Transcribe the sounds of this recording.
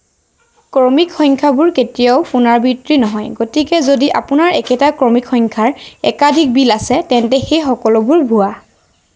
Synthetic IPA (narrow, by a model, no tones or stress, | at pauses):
kɔmikxɔjŋkʰabʊɹketijaʊpunaɹbitɹinɔɦɔjɡotikɛzodiʔa̰pʊnaɹɛkɛtakɹɔmikʰxɔŋkʰaɹɛ̰kadʱik̚bilasɛtɛntɛxejxɔkɔlɔbʊɹbʱua